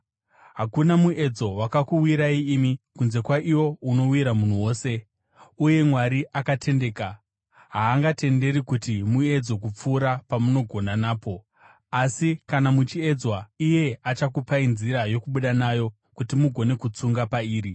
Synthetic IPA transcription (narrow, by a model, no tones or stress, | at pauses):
ɦakunamuʔe̞d͡zo̞wakakuwiɾaiːmikunze̞kwaʔiwo̞uno̞wiɾamun̤uwo̞ːse̞ | uje̞mwaɾiʔakatʰe̞nde̞ːka | ɦaːŋɡate̞nde̞ɾikutimue̞d͡zo̞k̬up͡fuːɾapamuno̞ɡʱo̞nanaːpo̞ | asikanamut͡ʃie̞d͡zwaije̞at͡ʃakupainziɾajo̞kuɓuɗanajo̞ | kutimuɡʱo̞ne̞kut͡suŋɡapaiːɾi